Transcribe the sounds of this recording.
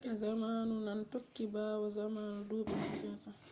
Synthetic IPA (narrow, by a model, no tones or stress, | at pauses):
ʔɛzamaːnunantokːibaːwɔzamaːnudoːɓɛnansiata